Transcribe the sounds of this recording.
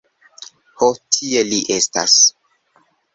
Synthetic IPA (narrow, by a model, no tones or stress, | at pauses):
hotʰie̞liʔesta̰s